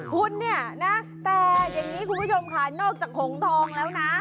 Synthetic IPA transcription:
kʰu˧nːi˥˩ɐna˦˥ | t̪ɛː˨˩ja˨˩ŋniː˦˥kʰu˧npʰu˥˩t͡ɕʰo˧mkʰaː˨˩nnɔː˥˩k̚t͡ɕaː˨˩kʰːo˨˩˦ŋt̪ʰɔː˧ŋlɛː˦˥wna˦˥

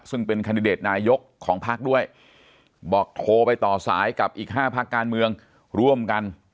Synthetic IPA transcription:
sɯ˥˩ŋpe˧nkʰaː˧ndi˧deː˨˩t̪̚naː˧jo˦˥kʰːɔː˩˦ŋpʰaː˥˩k̚du˥˩əj | bɔː˨˩k̚t̪ʰoː˧pa˧jt̪ɔː˨˩sa̰ː˩˦jka˨˩p̚ʔiː˨˩k̚ɦaː˥˩pʰa˦˥kːaː˧nmɯ˧əŋ | ɾu˥˩əmka˧n

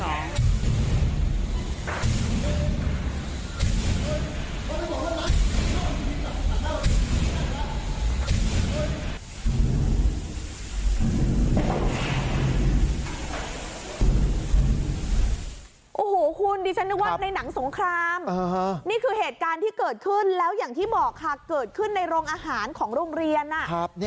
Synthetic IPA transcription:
ʔoː˨˧˩hoː˩˦kʰu˧ndiː˧t͡ɕʰa˦˥nːɯ˦˥wa˥˧˩na˧jna˩˦ŋso˨˩˦ŋkʰɾaː˧mː˧ɦniː˥˩kʰɯː˧heː˨˩t̪̚kaː˧nt̪ʰiː˥˩kɤː˨˩t̪̚kʰɯ˥˩nlɛː˦˥wjaː˨˩ŋt̪ʰiː˥˩bɔː˨˩k̚ʰa˧˩kɤː˨˩t̪̚kʰɯ˥˩nːa˧jɾoː˧ŋʔaː˧ɦaː˩˦nkʰɔː˩˦ŋɾoː˧ŋɾi˧ənʔa˨˩˦p̚ː

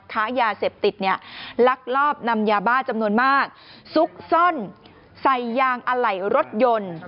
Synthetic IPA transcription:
kʰaː˦˥jaː˧seː˨˩p̚t̪i˨˩t̪̚ni˦˥˩ɐla˦˥k̚lɔː˥˩p̚na˧mjaː˧baː˥˩t͡ɕa˧mnu˧ənmaː˥˩k̚su˦˥k̚so˥˩n | sa˨˩jːaː˧ŋʔa˧ɾa˨˩jɾo˦˥t̪̚jo˧n

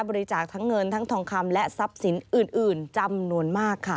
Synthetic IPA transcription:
bɔː˧ɾi˧t͡ɕaː˨˩k̚t̪ʰa˦˥ŋːɤ˧nt̪ʰa˦˥ŋt̪ʰɔː˧ŋkʰa˧mlɛ˦˥ʔsa˦˥p̚si˩˦nʔɯː˨˩nʔɯː˨˩nt͡ɕa˧mnu˧ənmaː˥˩kʰːa˥˩

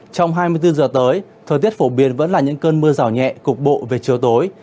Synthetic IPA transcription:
t͡ɕɔ˧wŋ͡mɦaː˧mɨ˧əjt̪ɨ˧zəː˨˩t̪əː˨˦jt̪ʰəː˨˩t̪i˦˥ət̚fo˧˩ɓi˨˩˦ənvə̰˧˥nlaː˨˩ɲɨ̰˧˥ŋkəː˧nmɨ˧əzaː˧˩wɲɛ̰˧˨kʊ˨˩k͡p̚ɓo̰˧˨ve˨˩t͡ɕi˨˩əwt̪o˨˦j

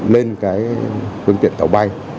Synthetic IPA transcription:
le˧nkaː˨˦jfɨ˧ət̪ḭ˧˨ənt̪ə˧˩wɓa˧j

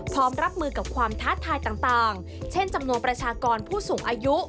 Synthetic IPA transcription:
pʰɔː˦˥mɾa˦˥p̚mɯː˧ka˨˩p̚kʰwaː˧mt̪ʰaː˦˥t̪ʰaː˧jt̪aː˨˩ŋt̪aː˨˩ŋ | t͡ɕʰe˥˩nt͡ɕa˧mnu˧ənpɾa˧t͡ɕʰaː˧kɔː˧npʰuː˥˩suː˨˩˦ŋʔaː˧ju˦˥ʔ

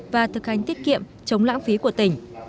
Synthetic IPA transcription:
vaː˨˩t̪ʰɨ˨˩k̚ha˨˩jŋ̟t̪i˦˥t̚kḭ˧˨əm | t͡ɕə˨˦wŋ͡mla̰ː˧˥ŋfi˨˦ku˧˩ət̪ï˧˩ŋ̟

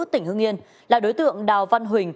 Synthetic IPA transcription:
t̚t̪ï˧˩ŋ̟hɨ˧əŋi˧ən | laː˨˩ɗo˨˦jt̪ɨ̰˧˨əŋɗaː˨˩wva˧nɦwï˨˩ŋ̟

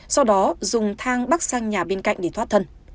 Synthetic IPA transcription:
sa˧wɗɔ˨˦zʊ˨˩ŋ͡mt̪ʰaː˧ŋɓaː˦˥k̚saː˧ŋɲaː˨˩ɓe˧nka̰˧˨jŋ̟ɗe˧˩t̪ʰwa˦˥t̚t̪ʰə˧n

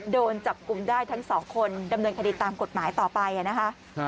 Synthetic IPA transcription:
doː˧nt͡ɕa˨˩p̚ku˧˩mdaː˥˩jt̪ʰa˦˥ŋsɔː˩˦ŋkʰo˧nda˧mnɤː˧nkʰa˧di˨˩t̪ːaː˧mko˨˩t̪̚maː˩˦jt̪ɔː˨˩pa˧jʔa˨˩na˦˥kʰa˦˥ʔ

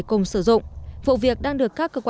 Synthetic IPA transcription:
kʊ˨˩ŋ͡msɨ˧˩zʊ̰˧˨ŋ͡mvo̰˧˨vi˨˩ək̚ɗaː˧ŋɗɨ˨˩əkːaː˦˥kːəː˧kw

